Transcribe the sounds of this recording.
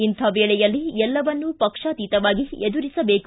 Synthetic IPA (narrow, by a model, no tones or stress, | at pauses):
int̪ʰɐʋeːɭɛjɐlːiɛlːɐʋɐnːupɐkʂaːt̪iːt̪ɐʋaːɡied̪uɾisɐbeːk